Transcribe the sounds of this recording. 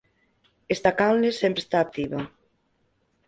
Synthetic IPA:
est̪akawlesempɾe̥st̪aːk̚t̪iβa

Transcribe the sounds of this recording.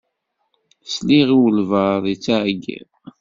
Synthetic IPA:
sliʁiwəlvəðit͡sːaʕɡḭ

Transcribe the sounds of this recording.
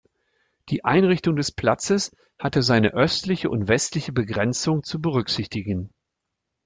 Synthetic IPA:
d̥iːʔaɪnʁɪçtʊŋdɛspl̥at͡səs | hatəzaɪnəʔœstlɪçəʔʊntv̥ɛstlɪçəbəɡʁɛnt͡sʊŋt͡subəʁʏkz̥ɪçtɪɡən̩

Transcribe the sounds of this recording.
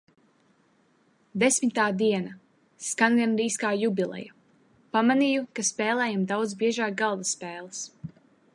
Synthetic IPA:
d̪esmit̪aːd̪iɛna | skaŋɡɛnɾiːskaːjubʲilˠɛ̰ju | pamanijukaspɛːlˠɛːjamd̪awd̪zbiɛʒaːk̚ɡalˠd̪asːpɛːlˠɨs

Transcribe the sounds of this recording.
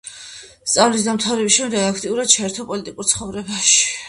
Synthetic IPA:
st̪sʼavlis̬d̪amt̪ʰavɾɛbisʃɛmd̪ɛɡakʰt̪ʼiuɾad̪̥̚t͡ʃʰaɛɾt̪ʰɔpʼɔlit̪ʼikʼuɾt̪sʰχɔvɾɛbaʃi̥

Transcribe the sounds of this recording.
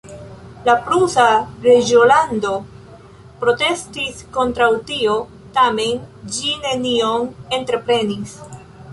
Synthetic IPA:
lapɾusaɾe̞d͡ʒiolando̞ | pɾo̞te̞stisko̞ntɾawtio̞ | tame̞nd͡ʒine̞nione̞ntɾe̞pɾe̞nis

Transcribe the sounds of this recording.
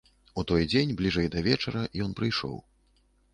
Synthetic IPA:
ut̪ɔjd͡zʲenʲblʲiʐɛjd̪ɐvʲɛt͡ʂɐɾɐjɔnpɾɨjʂɔ̰w

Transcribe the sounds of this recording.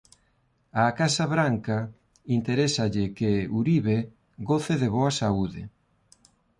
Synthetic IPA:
akasaβɾaŋkɐ | int̪eɾesɐʎɪkɪuɾiβe | ɡoθeðeβoɐsauðɪ̰

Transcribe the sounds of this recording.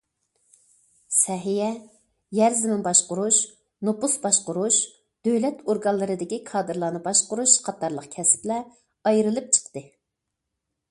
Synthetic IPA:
sɛɦijɛ | jæɾzɪmɪnbɑʃqʊɾuʃ | nopusbɑʃqʊɾuʃ | d̪̥øwlɛt̪ʰoɾɡɑnlˠɨɾɨd̪ɪkʲikʰɑːd̪ɨɾlˠɑːnɨbɑʃqʊɾuʃqʰɑt̪ɑɾlˠəqkʲʰɛsplɛ | ɑjɾɨlˠɨp̚t͡ʃʰə̥qt̪ɨ

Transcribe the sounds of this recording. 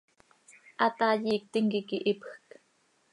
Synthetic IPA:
ʔat̪aːjiːk̚t̪ɪŋkikiʔipxk

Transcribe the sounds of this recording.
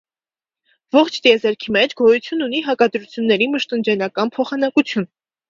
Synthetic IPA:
vɔχt͡ʃʰt̪jɛzɛɾkʰimɛt͡ʃʰɡɔjut͡sʰjununiɦɑkɑd̪ɾut͡sʰjunːɛɾiməʃt̪ənd͡ʒɛnɑkɑnpʰɔχɑnɑkut͡sʰjun

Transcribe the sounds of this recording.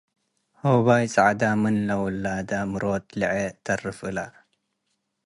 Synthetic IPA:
hoβajt͡sʼʕad̪amɨnlɐwlːaːd̪amɨɾoːt̪liʕet̪ɐrɨfʔɨla

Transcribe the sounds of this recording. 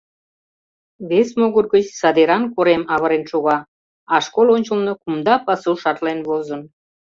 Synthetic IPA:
βesmoɣərɣət͡ɕsɑd̪eɾɑnkoɾemɑβəɾenʃuɣɑ | ɑʃkolonʲt͡ɕəlnəkumd̪ɑpɑsuʃɑt̪lenβozən

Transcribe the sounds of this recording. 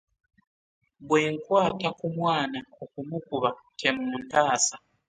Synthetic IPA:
bweːŋkwaːtakumwaːnaokumukuβatʰemumuntaːsa

